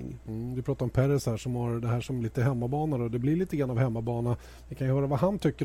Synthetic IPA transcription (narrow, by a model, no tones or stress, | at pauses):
ŋvɪpʰɾɑːt̪aɾɔmpʰæɾɛshæːʂɔmhaɾd̪ɛɦæːʂɔmliːt̪əɦɛmːabɑːnad̪ɔd̪ɛblɪɾɭiːt̪əɡɾanːavhɛmːabɑːna | vɪkʰanjɵhœːɾavahant̪ʰʏkːə